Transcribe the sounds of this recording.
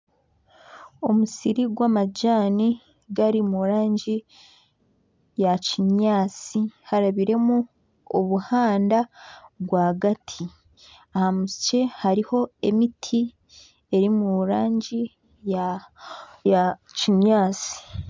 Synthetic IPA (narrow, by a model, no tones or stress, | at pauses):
o̞musiɾiɡwaːmaɟaːni | ɡaɾimuɾaːɲɟi | jaciɲaːt͡sihaɾaβiɾe̞mu | oβuhaːndaɡwaɡatʰi | ahamusce̞haɾiho̞e̞mitʰi | e̞ɾimuɾaːɲɟi | ja | aciɲaːt͡si̥